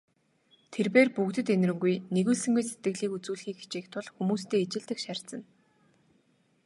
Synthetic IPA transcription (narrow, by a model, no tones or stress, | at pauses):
t̪ʰerpeːrpukt̪ɘ̆t̪enrɘ̆ŋɡujneɣuːɮsɘ̆ŋɡujset̪ɡɘɣɮiːkut͡suːɮxiːkxi̥t͡ɕeːkt̪ʰʊɮxumuːst̪ʰeːet͡ɕɪ̆ɮt̪ɘ̆kʃær̥ʲt̪t͡sə̆n